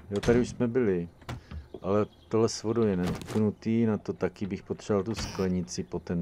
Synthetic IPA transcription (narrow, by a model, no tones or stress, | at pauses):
jot̪adɪuʃsmɛbɪlɪ | ʔalɛt̪oɦlɛsvodojɛnɛt̪knut̪iːnat̪ot̪akɪbɪxpot̪r̥ɛvalt̪usklɛɲɪt͡sɪpo̞t̪ɛn